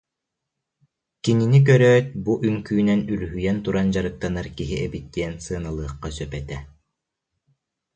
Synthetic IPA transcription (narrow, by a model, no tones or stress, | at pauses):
kininik̬œɾœːt̪̚buʔyŋkyːnɛnylyɦyjɛnt̪uɾand͡ʑaɾɯt̪ːanaɾkiɦiʔɛbit̪ːiɛnsɯɐnalˠɯːχːasœpɛt̪ɛ